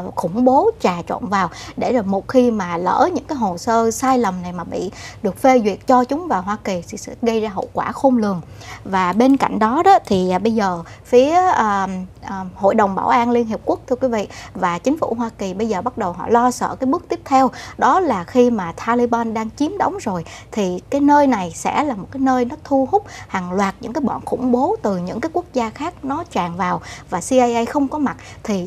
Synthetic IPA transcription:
xʊ˧˩ŋ͡mɓo˨˦t͡ɕaː˨˩t͡ɕwa̰ː˧˨nvaː˨˩wɗe˧˩zːmo˨˩t̚xi˧maː˨˩lə̰ː˧˩ɲɨ̰˧˥ŋkaː˨˦jɦo˨˩səː˧saː˧jlə˨˩mna˨˩jmaː˨˩ɓḭ˧˨ɗɨ˨˩ək̚fe˧zwḭ˨ət̚t͡ɕɔ˧t͡ɕʊ˨˦ŋ͡mvaː˨˩wɦwaː˧ki˨˩t̪ʰḭ˧˨˩sɛ̰˧˥ɣə˧jzaː˧ɦə̰˧˨wkwaː˧˩xo˧mlɨ˨˩əŋ | vaː˨˩ɓe˧nka̰˧˨jŋ̟ɗɔ˨˦ɗɔ˨˦t̪ʰi˨˩˨ɓə˧jzəː˨˩fi˨˦əː˨˩˨ | ho̰˧˨jɗə˨˩wŋ͡mɓaː˧˩wʔaː˧nli˧ənɦi˨˩p̚ku˦˥ək̚t̪ʰɨ˧əkwi˨˦vḭ˧˨vaː˨˩t͡ɕï˨˦ŋ̟fṵ˧˩ɦwaː˧ki˨˩ɓə˧jzəː˨˩ɓa˦˥t̚ɗə˨˩wɦɔ̰˧˨lɔ˧sə̰ː˧˨kaː˨˦jɓɨ˦˥ək̚t̪i˦˥əp̚t̪ʰɛ˧wɗɔ˨˦laː˨˩xi˧maː˨˩t̪ʰaː˧li˧ɓaː˧nɗaː˧ŋt͡ɕi˨˦mɗə˨˦wŋ͡mzo˨˩jt̪ʰi˨˩kaː˨˦jnəː˧jna˨˩jsɛ̰˧˥laː˨˩mo˨˩t̚kaː˨˦jnəː˧jnɔ˨˦t̪ʰu˧hʊ˦˥k͡p̚ha˨˩ŋlwaː˨˩t̚ɲɨ̰˧˥ŋkaː˨˦jɓɔ̰˧˨nxʊ̰˧˩ŋ͡mɓo˨˦t̪ɨ˨˩ɲɨ̰˧˥ŋkaː˨˦jku˦˥ək̚zaː˧xaː˦˥k̚nɔ˨˦t͡ɕaː˨˩ŋvaː˨˩wvaː˨˩si˧ʔa˧jʔə˧jxə˧wŋ͡mkɔ˨˦ma˨˩t̚ | t̪ʰi˨˩

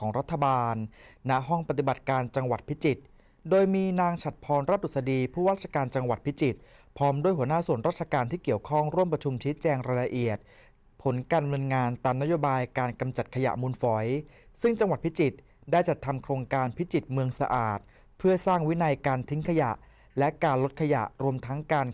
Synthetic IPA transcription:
kʰɔː˩˦ŋɾa˦˥t̪ʰːa˧baː˧nːa˦˥ʔɦɔ˥˩ŋpa˨˩t̪i˨˩ba˨˩t̪̚kaː˧nt͡ɕa˧ŋwa˨˩t̪̚pʰi˦˥t͡ɕi˨˩t̪̚ | doː˧jmiː˧naː˧ŋt͡ɕʰa˨˩t̪̚pʰɔː˧nɾaː˥˩t̪̚ːu˨˩sa˧diː˧pʰuː˥˩waː˥˩t̪̚t͡ɕa˧kaː˧nt͡ɕa˧ŋwa˨˩t̪̚pʰi˦˥t͡ɕi˨˩t̪̚ | pʰɔː˦˥mdu˥˩jɦu˩˦naː˥˩su˨˩ənɾaː˥˩t̪̚t͡ɕʰa˧kaː˧nt̪ʰiː˥˩ki˨˩əwkʰɔ˥˩ŋɾu˥˩əmpɾa˧t͡ɕʰu˧mt͡ɕʰiː˦˥t͡ɕɛː˧ŋɾaː˧jla˧ʔi˨˩ət̪̚ | pʰo˩˦nkaː˧nmɯ˧ənŋaː˧nt̪aː˧mna˥joː˧baː˧jkaː˧nka˧mt͡ɕa˨˩t̪̚kʰa˧ja̰˨˩muː˧nfɔ˩˦j | sɯ˥˩ŋt͡ɕa˧ŋwa˨˩t̪̚pʰi˦˥t͡ɕi˨˩t̪̚ | daː˥˩jt͡ɕa˨˩t̪ʰːa˧mkʰɾoː˧ŋkaː˧npʰi˦˥t͡ɕi˨˩t̪̚mɯ˧əŋsa˧ʔaː˨˩t̪̚ | pʰɯ˥˩ɐsaː˥˩ŋwi˦˥na˧jkaː˧nt̪ʰi˦˥ŋkʰa˧ja̰˨˩ʔ | lɛ˦˥kaː˧nlo˦˥t̪̚kʰa˧ja̰˨˩ʔɾu˧əmt̪ʰa˦˥ŋkaː˧n

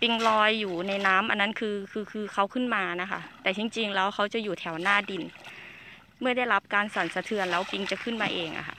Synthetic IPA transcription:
pi˧ŋlɔː˧jːuː˨˩na˧˩jnaː˦˥mʔa˧nːa˦˥˨nkʰɯː˧kʰɯː˧kʰɯː˧kʰa˧˥wkʰɯ˥˩˨nmaː˧na˦˥kʰa̰˥˩ʔt̪ɛː˨˩t͡ɕi˧ŋt͡ɕi˧ŋlɛː˦˥wxʰa˦˥wt͡ɕa˨˧˨juː˨˩t̪ʰɛː˩˦wnaː˧˥˩di˧n | mɯ˥˩ɐda˥˩jla˦˥p̚kaː˧nsɔː˨˩˦nsa˧t̪ʰɯ˧ənlɛː˦˥wpi˧ŋt͡ɕa˨˩kʰɯ˥˩˨nmaː˧ʔeː˧ŋʔa̰˧˩xʰa̰˧˥˩ʔ

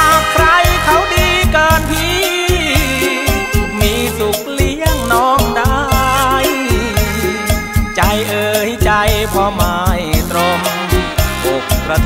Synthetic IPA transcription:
a˧˩kʰɾa˧jkʰa˦˥wdiː˧kɤː˧npʰiː˧ | miː˧˥su˨˩k̚li˧˥˩əŋnɔː˧˥ŋda˧j | t͡ɕa˧˩jʔɤː˧ha˦˩t͡ɕa˧jpʰɔː˧maː˧jt̪ɾo˧m | ʔo˨˩k̚ɾa˧

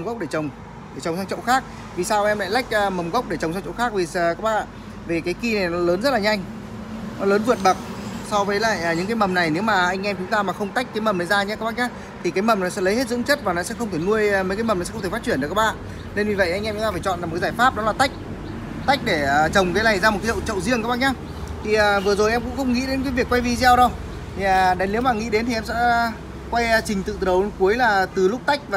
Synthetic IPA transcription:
mɣə˦˥k͡p̚ɗe˧˩t͡ɕə˨˩wŋ͡m | ɗe˧˩t͡ɕə˨˩ŋ͡msaː˧ŋt͡ɕə̰˧˨wxaː˦˥k̚ | vi˨˩saː˧wʔɛ˧mla̰ː˧˨jla˦˥jk̟̚ːmə˨˩mɣə˦˥k͡p̚ɗe˧˩t͡ɕə˨˩wŋ͡msa˧ŋt͡ɕə̰˧˨wxaː˦˥k̚vi˨˩˨kaː˦˥k̚ɓa̰ː˧˩˨ | ve˨˩kaː˨˦jki˧na˨˩jnɔ˨˦ləː˨˦nzə˦˥t̚laː˨ɲa˧jŋ̟ | nɔ˨˦ləː˨˦nvɨ˨ənɓə˨˩k̚sa˧wvəː˨˦jla̰ː˧˨jʔːɲɨ̰˧˥ŋkaː˨˦jmə˨˩mna˨˩jne˨˦wmaː˨˩ʔa˧jŋ̟ʔɛ˧mt͡ɕʊ˨˦ŋ͡mt̪aː˧maː˨˩xə˧wŋ͡mt̪a˦˥k̟̚kaː˨˦jmə˨˩mna˨˩jzaː˧ɲɛ˧˦kaː˦˥ɓa˧˥ɲaː˨˦˥ | t̪ʰi˨kaː˨˦jmə˨˩mnɔ˨˦sɛ̰˧˥lə˨˦jhe˦˥t̚zɨ̰˧˥ŋt͡ɕə˦˥t̚vaː˨˩nɔ˨˦sɛ̰˧˥xə˧ŋ͡mt̪ʰe˧˩nu˧əjmə˨˦jkaː˨˦mə˨˩mn˨˩sɛ̰˧˥xŋ͡mt̪ʰːfa˦˥t͡ɕi˧˩nɗka˦˥ɓa̰ː˧˨n | ne˧nvi˨˩və˧˨ʔa˧jŋʔɛ˧mt͡ɕʊ˨˦t̪aː˧faː˧˩t͡ɕɔ̰˧˨naː˨˩˨kːzaː˧˩jfaː˦˥p̚ɗɔ˨˦laː˨˩t̪a˦˥jk̚ | t̪a˦˥k̚ɗe˧˩ə˨˩t͡ɕə˨˩wŋ͡mkaː˨˦la˨˩jzaː˧m˨˩t̚kːa˨˦ḭə̰˧˨t͡ɕə̰˧˨wzi˧əŋkaː˦˥ɓa˥ɲaː˨˦ | t̪ʰi˨˩ʔəː˨˩vɨ˨˩ə˩zo˨˩jʔɛ˧mŋ͡mkʊ̰˧˥ŋ͡mxə˧wŋ͡mŋḭ˧˥ɗe˨˦nka˨˦vi˨˩əkːwa˧jvi˧zɛ˧wɗo˧ | t̪ʰiː˨˩˨ɗa˨˦ŋli˨˦wmaː˨˩ŋḭ˧˥ɗe˨˦nt̪i˨ɛ˧msɛ̰˧˥ | kwa˧jt͡ɕï˨˩ŋ̟t̪ɨ̰˧˨ə˨˦wku˨˦əjlaː˨˩t̪ɨ˨˩lʊ˦˥k͡p̚t̪a˦˥jk̟̚vaː˨

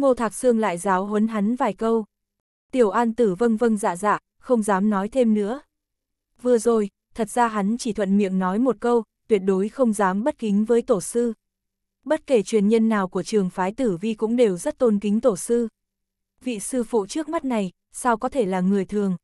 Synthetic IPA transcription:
mo˧t̪ʰaː˨˩k̚sɨ˧əŋla̰ː˧˨jzaː˨˦wɦwə˨˦nɦa˨˦nvaː˨˩jkə˧w | t̪i˨˩əwʔaː˧nt̪ɨ˧˩və˧ŋvə˧ŋza̰ː˧˨za̰ː˧˨ | xə˧wŋ͡mzaː˨˦mnɔ˨˦jt̪ʰe˧mnɨ̰˧˥ə | vɨ˨˩əzo˨˩j | t̪ʰə˨˩t̚zaː˧ɦa˨˦nt͡ɕi˧˩t̪ʰwə̰˧˨nmḭ˧˨əŋnɔ˨˦jmo˨˩t̚kə˧wt̪wi˨˩ət̚ɗo˨˦jxə˧wŋ͡mzaː˨˦mɓə˦˥t̚kï˨˦ŋ̟vəː˨˦jt̪o˧˩sɨ˧ | ɓə˦˥t̚ke˧˩t͡ɕwi˨˩ənɲə˧nːaː˨˩wku˧˩ət͡ɕɨ˨˩əŋfaː˨˦jt̪ɨ˧˩vi˧kʊ̰˧˥ŋ͡mɗe˨˩wzə˦˥t̚t̪o˧nkï˨˦ŋ̟t̪o˧˩sɨ˧ | vḭ˧˨sɨ˧fṵ˧˨t͡ɕɨ˦˥ək̚ma˦˥t̚na˨˩j | sa˧wkɔ˨˦t̪ʰe˧˩laː˨˩ŋɨ˨˩əjt̪ʰɨ˨˩əŋ

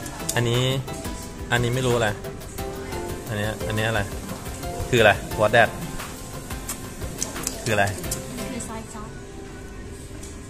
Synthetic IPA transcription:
ʔa˧nːiː˦˥ | ʔa˧nːiː˦˥ma˥˩jɾuː˦˥˨a˧˩ | ʔa˧niː˦˥˧ʔa˧nːiː˦˥ʔa˧˩ɾa˧j | kʰɯː˧la˧˩jwt̪̚dɛː˥˩t̪̚ | kʰɯː˧˩la˧˩j

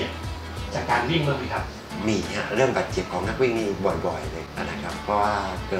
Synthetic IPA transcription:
t͡ɕaː˨˩kːaː˧nwi˥˩˨ŋmɯ˥˧˩ŋmʰi˧˩kʰa˦˥p̚ | miː˧˩hʰa˦˧˩ɾɯ˥˩əŋbaː˨˩t̪̚t͡ɕe˨˩p̚kʰɔː˩˦ŋna˦˥k̚wiː˦˥˩ŋniː˧˥˩bɔ˨˩jbɔ˨˩jlɤː˧jʔa˧˩na˧˥kʰa˦˥pʰːɔː˧˥waː˥˩kɤː˧˩

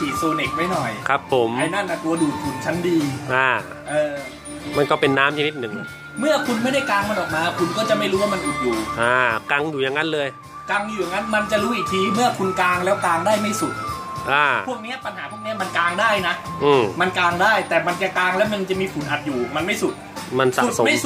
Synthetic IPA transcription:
pʰiː˨˩t̪̚soː˧ne˨˩k̚ma˥˩jnɔ˨˩jkʰɾa˦˥pʰːo˨˦ma˧jna˥˩nʔa˨˩t̪u˧ɐduː˨˩t̪̚fu˨˩˦nt͡ɕʰa˦˥ndiː˧ʔaː˧˩ | ʔɤː˧ | ma˧nkɔː˥˩pe˧nːaː˦˥mt͡ɕʰa˧ni˦˥t̪̚nɯ˨˩ŋ | mɯ˥˩ɐkʰu˧nma˥˩jda˥˩jkaː˧ŋma˧nʔɔː˨˩k̚maː˧kʰu˧nkɔː˥˩t͡ɕa˨˩ma˥˩jɾuː˦˥waː˥˩ma˧nʔu˨˩t̪̚juː˨˩ʔaː˧˩ka˧ŋjuː˨˩ja˨˩ŋːa˦˥nlɤː˧j | ka˧ŋjuː˨˩ja˨˩ŋa˦˥nma˧nt͡ɕa˨˩ʔɾuː˦˥ʔiː˨˩t̪ʰiː˧mɯ˥˩ɐkʰu˧nkaː˧ŋlɛː˦˥wkaː˧ŋdaː˥˩jma˥˩jsu˨˩t̪̚ | ʔaː˧˩u˥˩ək̚ni˦˥ɐpa˧nhaː˩˦pʰu˥˩kni˦˥ɐ˨ma˧nkaː˧ŋdaː˥˩jna˦˥ʔ | ʔɯː˧˩ma˧nkaː˧ŋdaː˥˩jt̪ɛː˨˩ma˧nt͡ɕa˨˩kaː˧ŋlɛː˦˥wja˧nt͡ɕa˨˩miː˧fu˩˦nʔa˨˩t̪̚juː˨˩ma˧nma˥˩jsu˨˩t̪̚ | ma˧nsa̰˨˩so˨˩˦ma˥˩j

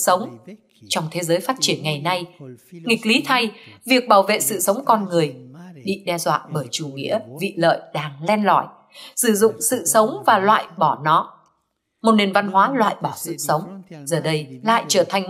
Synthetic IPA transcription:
sə˨˦wŋ͡m | t͡ɕɔ˧wŋ͡mt̪ʰe˨˦zəː˨˦jfaː˦˥t̚t͡ɕi˧˩ənŋa˨˩jna˧jŋï˨˩k̟̚li˨˦t̪ʰa˧jvi˨˩ək̚ɓaː˧˩wvḛ˧˨sɨ̰˧˨sə˨˦wŋ͡mkɔ˧nŋɨ˨˩əjɗḭ˧˨ɗɛ˧zwa̰ː˧˨ɓəː˧˩jt͡ɕu˧˩ŋḭ˧˥əvḭ˧˨lə̰ː˧˨jɗaː˧˩ŋlɛ˧nlɔ̰˧˩˨j | sɨ˧˩zʊ̰˧˨ŋ͡msɨ̰˧˨sə˨˦wŋ͡mvaː˨˩lwa̰ː˧˨jɓɔ˧˩nɔ˨˦ | mo˨˩t̚ne˨˩nva˧nɦwaː˨˦lwa̰ː˧˨jɓɔ˧˩sɨ̰˧˨sə˨˦wŋ͡mzəː˨˩ɗə˧jla̰ː˧˨jt͡ɕəː˧˩t̪ʰa˨˩jŋ̟

